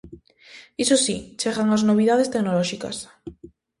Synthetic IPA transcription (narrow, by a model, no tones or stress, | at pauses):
isosḭt͡ʃeɣaŋaznoβ̞iðað̞est̪enolɔʃika̰s